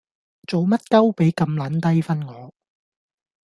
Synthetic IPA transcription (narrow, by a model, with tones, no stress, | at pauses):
t͡so˨wmɐ˥t̚kɐ˥wpe˨˥jkɐ˧mlɐː˨˥nt̪ɐ˥jfɐ˥nŋɔː˨˧